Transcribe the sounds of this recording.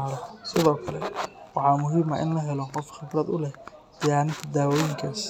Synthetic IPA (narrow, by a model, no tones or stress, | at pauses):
aːɾɔsɪðɔːkʰɐlɛ̰wɑħɑːmʊɦiːmɐʔɪ̰nlɐɦɛlɔqɔfχɪbɾɐd̪ʊlɛh | d̪̥ɪjaːnɪt̪ʰɐd̪aːwɔːjɪŋkʰɐs